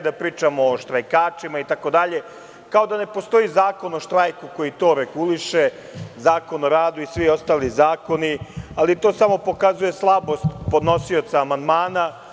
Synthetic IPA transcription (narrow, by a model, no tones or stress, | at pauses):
d̪apɾiːt͡ʃamoːʃt̪ɾajkaːt͡ʃimait̪ako̞d̪aʎe̞ | kao̞d̪ane̞po̞st̪o̞izaːko̞no̞ʃt̪ɾajkuko̞jit̪o̞ːɾe̞ɡuliʃe | zaːko̞noɾaːd̪uisʋio̞st̪aːlizaːko̞nialit̪o̞ːsamo̞po̞kazuje̞slˠabo̞st̪po̞d̪no̞sio̞t̪saːmand̪maːna